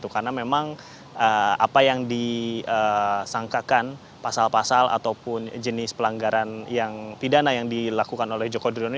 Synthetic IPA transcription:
t̪ukaɾənamemaŋ | əa̰pajaŋdiəsaŋkakan | pasalpasalʔa̰t̪awpʊnd͡ʒənɪspəlaŋɡaɾanjaŋp̪idanajaŋdilakukanolɛhd͡ʒokodɾon

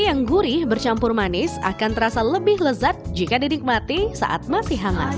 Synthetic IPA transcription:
jaŋɡuɾɪhbərt͡ʃampʊrmanɪssa̰kant̪əɾasaləbɪhləzat̪̚d͡ʒikadinɪk̚mat̪isa̰ʔa̰t̪̚masɪhɦaŋa̰

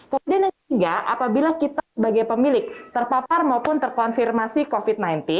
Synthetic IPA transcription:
kəmudiana | ɡaʔapabilakit̪asəbaɡajpəmilɪk̚t̪ərpaparmaupʊnt̪ərkɔnfirmasikofit̪̚najnt̪i

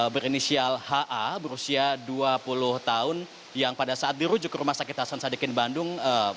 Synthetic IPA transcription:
bəɾinisialhaʔabəɾusiaduapulʊht̪aʊn | jaŋpadasaʔːt̪̚diɾud͡ʒʊkːɾumahsakɪt̪hasansadikɪnbandʊŋə

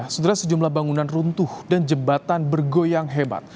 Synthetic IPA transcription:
sət̪əɾasəd͡ʒumlahbaŋunanrunt̪ʊhdand͡ʒəbat̪anbərɡojaŋɦeba̰t̪̚

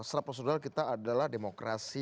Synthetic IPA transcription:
sɾapərsonalkit̪aːdalahdemokɾasi

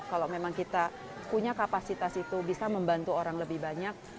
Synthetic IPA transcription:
kalomemaŋkit̪a | puɲakapasit̪asit̪ubisaməmbant̪uoɾaŋləbɪhbaɲak̚

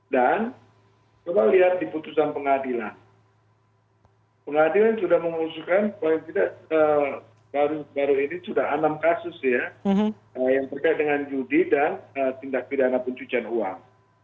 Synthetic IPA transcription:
dan | t͡ʃomaliɦat̪̚diput̪us̬anpəŋadilan | pəŋadilansudahməmusukanpalɪŋt̪idaʔəː | baɾubaɾuinisudaɦanamkasʊsja | əjaŋt̪ərkajat̪̚dəŋand͡ʒudidanət̪indak̚pidanapuɲt͡ʃut͡ʃanua̰ŋ

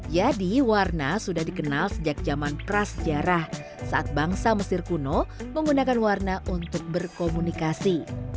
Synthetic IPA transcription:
d͡ʒadiwarnasudahdikənalsəd͡ʒak̚d͡ʒamanpɾasəd͡ʒaɾah | saʔat̪̚baŋsaməsɪrkunoməŋɡunakanwarnaʔunt̪ʊk̚bərkomunikasi

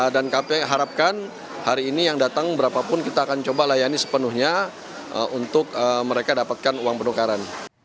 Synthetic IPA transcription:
dankapɛɦaɾap̚kan | haɾiːnijaŋdat̪aŋbəɾapapʊnkit̪aːkant͡ʃobalajanisə̥pənuhɲa̰ | unt̪ʊkəməɾekadapat̪̚kanuwaŋpənukaɾan

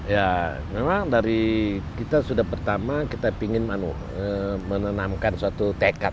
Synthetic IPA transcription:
ja | memaŋdaɾikit̪asudahpərt̪amakit̪apiŋɪnmanṵ | əmənənamkansuat̪ut̪ekat̚

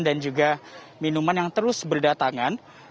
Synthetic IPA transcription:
ndand͡ʒuɡa | minumanjaŋt̪əɾʊsbərdat̪aŋan

